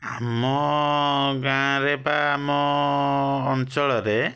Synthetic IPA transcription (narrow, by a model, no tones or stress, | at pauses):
amɔ | ɡãɾɛbaːmɔː | nt͡ʃɔɭɔɾɛ